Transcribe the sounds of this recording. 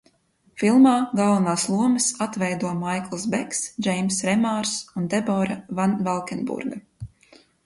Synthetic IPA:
filˠmaːɡalˠvnaːslˠuɔmɨsat̪vɛjd̪uɔmajklˠsbɛksd͡ʒɛjmsɾɛmaːɾsund̪ɛbɔːɾavanvɛlˠkɛnbṵɾɡa

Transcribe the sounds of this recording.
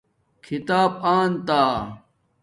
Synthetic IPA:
kʰit̪aːb̚aːnt̪aː

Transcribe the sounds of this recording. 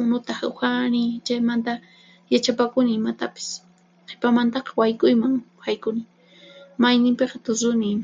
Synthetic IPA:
mʊnʊt̪ahaxanɪt͡ʃajmant̪a | jat͡ʃapakʊnɪːmat̪apɪ̥s | qʰepamant̪ɑqɑ̥wajkʊjmaŋhajkʊnɪ | majnɪmpeqɑt̪ʊɾʊnɪm

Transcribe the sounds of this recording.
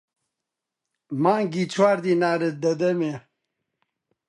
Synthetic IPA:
mãːŋɡit͡sʰwaːɾd̪inaːɾed̪ɐd̪ɐme

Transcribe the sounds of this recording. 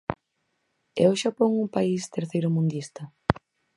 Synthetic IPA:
ewʃapoŋuŋpaist̪eɾθejɾʊmũnd̪ist̪ɐ

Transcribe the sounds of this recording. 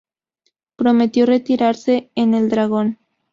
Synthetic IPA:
pɾo̞me̞t̪jo̞re̞t̪iɾaɾse̞ːne̞ld̪ɾaɣ̞o̞n

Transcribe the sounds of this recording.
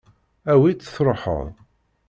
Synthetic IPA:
æwit͡sːə̥θɾˤoħə̰ðˤ

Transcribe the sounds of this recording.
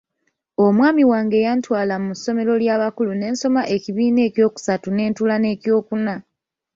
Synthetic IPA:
o̞mwaːmiwaːŋɡe̞ːjantwaːlamuso̞me̞ɾo̞ljaːβakulune̞ːnso̞maʔe̞ciβiːne̞ːcjo̞ːku̥satune̞ːntulane̞ːcjo̞ːkuna

